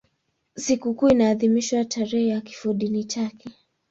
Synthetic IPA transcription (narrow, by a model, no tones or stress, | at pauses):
sikukuinaːðimiʃwatʰaɾɛhɛjaki̥fuɗinit͡ʃakɛ